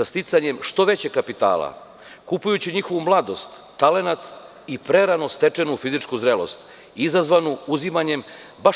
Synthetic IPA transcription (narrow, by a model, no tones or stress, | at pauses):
ast̪it̪saɲe̞mʃt̪o̞ʋet͡ɕe̞kapit̪a̰ːlˠa̰ | kupujut͡ɕiɲixo̞ʋumlˠad̪o̞st̪ːale̞nat̪ | ipɾe̞ɾanost̪e̞t͡ʂe̞nufizit͡ʂkuzɾelo̞̰st̪ | izazʋanuuzimaɲe̞m | ba